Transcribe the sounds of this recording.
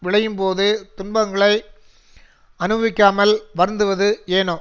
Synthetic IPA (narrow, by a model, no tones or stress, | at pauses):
ʋɪɭɐjɯmpoːðɯt̪ʊnbɐŋɡɐɭɐɪ | ɐnɯʋʋɪkːaːmɐlʋɐɾnd̪ɯʋɐðɯeːnoː